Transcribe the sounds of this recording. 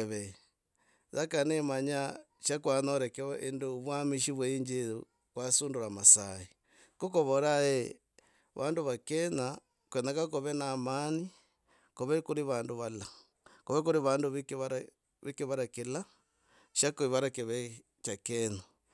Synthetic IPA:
eβɛ | zakanemaɲaʃakwanɔɾɛkɛʔendoβwamiʃiβwɛiɲd͡ʒeɾu | kwasuːndoɾamasai | kokoβɔɾae | βandoβakɛna | kwɛnakakoβɛnamani | koβɛkuɾiβandoβala | koβɛkuɾiβandoβikeβaɾa | βikeβaɾakela | ʃakoiβaɾakeβɛ | t͡ʃakɛna

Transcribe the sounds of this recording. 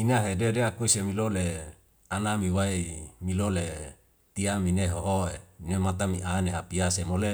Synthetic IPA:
inaɦededeakuisemilole | anamiwaemilole | t̪iamineɦoɦoenemat̪̬amiʔaneɦapiasemole

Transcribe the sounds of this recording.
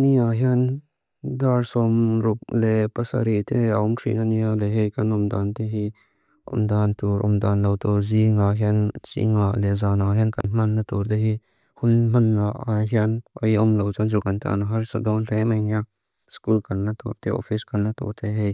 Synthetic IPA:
niaɦian | d̪aɾsɔmɾʊk̚lepɐsa̰ɾit̪ʰeaɔmkʰɾḭnanialeɦejkɐnɔmd̪ant̪eɦi | ʔɔ̰md̪ant̪uɾʔɔ̰md̪anlawt̪oziŋaɦiansḭŋalezanaɦjankɐnmanːat̪uɾt̪eɦi | hʊnmanːaʔaɦianɔjɔmlɐwt͡ʃanzukant̪a̰naɦɐɾsəd̪awnɾemɐjnia | skulkɐɾnat̪ṵɾt̪eɔ̰fiskɐɾnat̪o̰ɾt̪ʰeɦej

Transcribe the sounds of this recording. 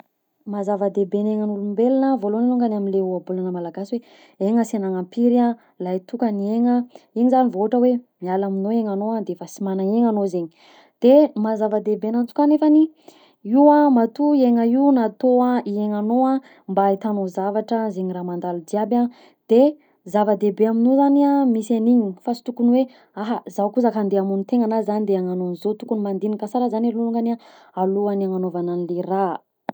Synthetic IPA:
mazavəd̪ebeneŋənulumbelinəvoloniluŋɡənaminleuabulanəmalaɡaswe | eŋəsenaŋampiɾia | lajt̪ukənieŋəeɲizanivoʈ͡ʂəwemialaminoeŋanoad̪eefəsimanaeŋanozeɲi | d̪̥emazavəd̪ebenant̪u̥kanefani | iwamat̪ueŋəinat̪oaieŋanoa | mbait̪anozavaʈ͡ʂəzeɲiramand̪alud͡ʒ̪iaba | d̪̥e | zavad̪ebeaminozaniamisaniɲifasi̥t̪ukunwe | aɦazawkuzakand̪eamunit̪eŋanazanid̪eaŋanonizot̪ukunimand̪inikasaɾazaniluluŋɡana | aluanaŋanovananilera

